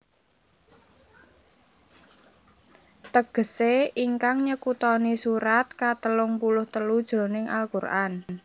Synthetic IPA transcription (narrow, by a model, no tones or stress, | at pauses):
t̪əɡ̥ə̤seiŋkaŋɲəkut̪ɔnisuɾat̪̚kat̪əlʊŋpulʊht̪əlud̥ʒ̥ɾo̤nɪŋʔa̰lkurʔa̰n